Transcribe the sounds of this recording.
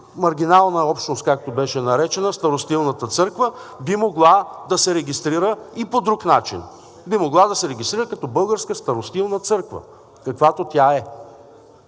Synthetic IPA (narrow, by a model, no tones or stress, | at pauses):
mɐɾɡʲinalˠnəɔpʃt̪nost̪kak̚t̪obɛʃɛnɐɾɛt͡ʃɛnəst̪ɐɾost̪ilˠnət̪ət̪sɤɾkvəbimoɡlˠad̪ɐsɛɾɛɡʲist̪ɾiɾəipod̪ɾuknat͡ʃḭn | bimoɡlˠad̪ɐsɛɾɛɡʲist̪ɾiɾəkɐt̪ɔbɤlˠɡəɾskəst̪ɐɾost̪ilˠnət̪sɤɾkvə̰ | kɐkvat̪ot̪ʲaɛ